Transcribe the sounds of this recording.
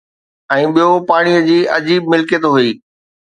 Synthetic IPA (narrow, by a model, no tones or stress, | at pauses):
ɛ̃ːɓijopaːɽ̃ijə̆d͡ʑiːʔɐd͡ʑiːb̚mɪlkjet̪oɦuiː